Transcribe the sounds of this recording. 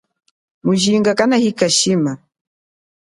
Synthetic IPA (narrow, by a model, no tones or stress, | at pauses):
muʒiŋɡakanahikaʃima